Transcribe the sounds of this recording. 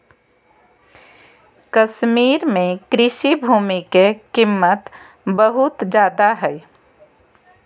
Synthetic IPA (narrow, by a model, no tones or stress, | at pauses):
kəsmiːɾmẽkɾɪʃibʱuːmikekɪmːət̪ | bəɦʊt̪d͡ʒaːd̪aɦɛj